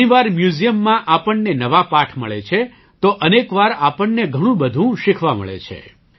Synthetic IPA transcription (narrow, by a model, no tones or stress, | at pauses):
iʋaɾmjuzijəmːãʔapəɳːenəʋapaʈʰmə̰ɭet͡ʃʰe | t̪oʔənekʋaɾapəɳːeɡʱəɽ̃ũbəd̪ʱũʃɪkʰʋamə̰ɭḛt͡ʃʰḛ